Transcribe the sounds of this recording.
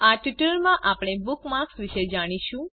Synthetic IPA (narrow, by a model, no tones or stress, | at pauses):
aʈiʈəɭmãʔapɽ̃ebʊkmaksʋiʃed͡ʒaɽ̃iʃũ